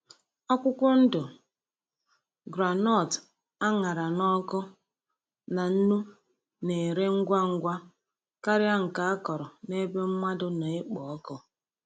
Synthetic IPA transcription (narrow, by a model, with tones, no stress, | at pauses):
ɔ˦kʷʊ˦kʷɔ˦n̩˦dʊ˨ | ɡɾa˨nɔ˦˨t | a˦ŋa˨ɾa˨nɔ˦kɔ˦ | na˨n̩˦nu˦ | ne˨ɾe˦ŋ̩˦ɡʷa˦ŋ̩˦ɡʷa˦ | ka˦ɾɪ˦a˦ŋ̩˨ka˨a˦kɔ˨ɾɔ˨ne˦be˦m̩˦ma˦dʊ˦na˨ɪ˦k͡pɔ˨˦kɔ˦